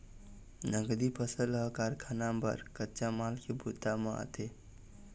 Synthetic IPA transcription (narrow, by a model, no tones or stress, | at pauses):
nəɡd̪ipʰəsələɦkaɾkʰanambə̰ɾkətːt͡ʃamalkebʱut̪ːaməa̰t̪ʰe